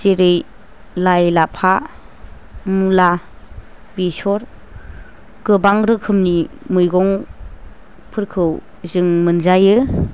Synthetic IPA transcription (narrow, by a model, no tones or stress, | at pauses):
zeɾɯj | lajlapʰa | mula | b̥isɔɾ | ɡ̥ɯbaŋɾɯkʰɯmni | mujɡɔŋ | pʰɯɾkʰɯw | zɯŋmɯnzajɯ